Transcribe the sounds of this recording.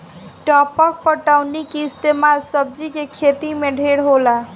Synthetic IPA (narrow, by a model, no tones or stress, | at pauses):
ʈɔpək̚pəʈawnikeist̪emalsəb̚d͡ʒikekʰet̪imeɖʱeɽɦola